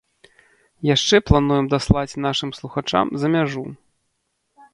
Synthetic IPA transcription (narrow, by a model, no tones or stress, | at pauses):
jaʂt͡ʂɛplˠan̪ujɛmd̪aslˠat͡sʲn̪aʂɨmslˠuxat͡ʂa̰mzɐmʲaʐu